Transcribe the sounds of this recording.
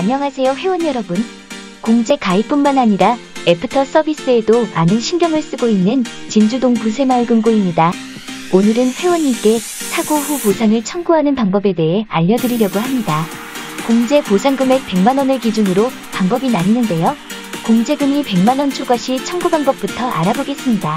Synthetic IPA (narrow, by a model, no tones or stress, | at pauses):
aɲʌŋɦasʰe̞joɸe̞wʌnjʌɾʌbɯn | koŋd͡ʑe̞kaip͈ummanaɲiɾae̞pʰɯtʰʌs͈ʌbis͈ɯe̞domanɯnɕʰinɡjʌŋɯɭs͈ɯɡoinːɯnt͡ɕind͡ʑudoŋpusʰe̞maɭɡɯmɡoimɲida | onɯɾɯnɸwe̞wʌɲik͈e̞ | sʰaɡoɸuposʰaŋɯɭt͡ɕʰʌŋɡuɦanɯnpaŋbʌbe̞de̞ɦe̞aʎːʌdɯɾiɾjʌɡohamɲida | koŋd͡ʑe̞posʰaŋɡɯme̞k̚p͈e̞ŋmanʌnɯɭkid͡ʑunɯɾo | paŋbʌbinaɲinɯnde̞jo | koŋd͡ʑe̞ɡɯmipe̞ŋmanʌnt͡ɕʰoɡʌɕʰit͡ɕʰʌŋɡubaŋbʌp̚p͈utʰʌʔa̰ɾaboɡe̞s͈ɯmɲida